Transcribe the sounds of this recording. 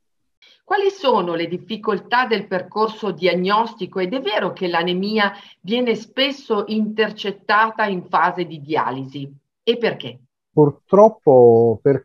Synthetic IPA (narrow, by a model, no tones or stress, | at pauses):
kwaːlisoːnoled̪ifːikolt̪ad̪elperkorsod̪iaɲːɔst̪ikoed̪ɛvːeːɾokelanemiːavjɛːnespesːoʔint̪ert͡ʃet̪ːaːt̪aiɱfaːzed̪id̪ia̰ːlizi | epːerk̟e | purt̪ɾɔpːoper